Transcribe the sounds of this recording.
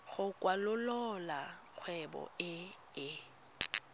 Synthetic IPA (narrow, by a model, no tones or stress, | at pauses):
ɣʊkʼwalʊlɔla | k͡xʰwɛbɔ̰ɪ | ɪ